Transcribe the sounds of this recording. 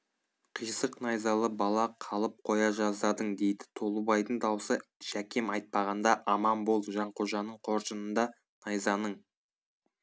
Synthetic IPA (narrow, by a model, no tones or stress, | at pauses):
qʰijsəqnɑjzɑlˠəbɑlˠɑqʰɑlˠəp̚qʰo̞jɑʒɑzd̪ɑd̪əɴd̪e̞jd̪ɪ̥t̪ʰo̞lˠəbɑjd̪əɴd̪ɑwsəʃækʲemɑjt̪̚pɑʁɑnd̪ɑʔɑmɑmbo̞lˠʒɑɴqʰoʒɑnəɴqʰo̞ɾʃənənd̪ɑ | nɑjzɑnəɴ